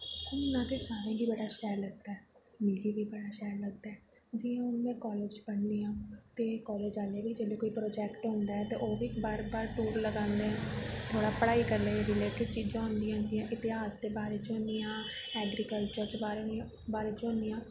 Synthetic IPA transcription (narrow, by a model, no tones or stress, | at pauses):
ʊnnãːt̪eːsaːɾẽːbiːbəɽaːʃɛːɾləɡ̚d̪aːɛːmeːliːbiːbəɽaːʃɛːɾləɡ̚d̪aɛːd͡ʒiːãːʊnmɛ̃ːkɔːleːd͡ʒt͡ʃbəɳd̪iːãːt̪eːkɔːleːd͡ʒaːlebiːd͡ʒeːleːkoːiːpɾoːd͡ʒɛːkʈɦʊ̃nd̪aːɦɛːt̪eːʔoːbiːkbaːɾbaːɾʈuːɾləɡãːnd̪eːãːt̪ʰoːɽaːpəɽaːiːkəɾleːɾɪleːʈɪɖt͡ʃiːd͡ʒãːɦʊ̃nd̪ijãːd͡ʒɪjãːʔɪt̪ɪɦaːsd̪eːbaːɾeːt͡ʃõːnd̪ijãːɛːɡɾiːkəlt͡ʃəɾt͡ʃbaːɾñ | baːɾeːt͡ʃɦõːnd̪ijãː